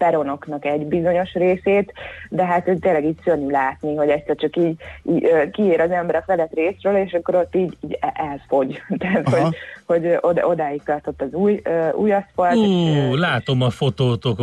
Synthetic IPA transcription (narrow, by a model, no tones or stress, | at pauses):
pɛɾo̞no̞knɒkɛɟbizo̞ɲo̞ʃreːseːt̪d̪ɛɦat̪t̪eːlɛɡiːɟsønylaːt̪niɦo̞ɟɛt̪ʲsɛrt͡ʃɒkiːɟiøːkieːɾɒzɛmbɛɾɛkfɛlɛt̪reːsrøːleːʃɒkːo̞ɾo̞t̪ːiːɟːɛʔɛzfo̞ɟt̪ɛːt̪hoho̞ɟʔod̪od̪aːjik̚t̪ɒrt̪o̞t̪ːɒzuːjøṵːjɒspɒrulaːt̪omɒfo̞t̪oːt̪ok